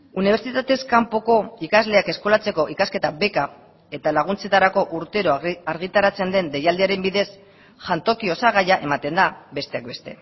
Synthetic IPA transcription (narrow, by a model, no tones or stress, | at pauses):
uniβ̞e̞ɾt͡sit̪at̪e̞skampo̞ko̞ikazle̞ake̞sko̞lat͡se̞ko̞ʔikaske̞t̪abe̞ka | e̞t̪alaɣ̞unt͡se̞t̪aɾako̞ʔuɾt̪e̞ɾo̞aɾɣit̪aɾat͡se̞nd̪e̞nd̪e̞jald̪eaɾe̞mbiðe̞s | ʝant̪o̞kio̞saɣajaʔe̞mat̪e̞nd̪abe̞st̪e̞ak̚be̞st̪e̞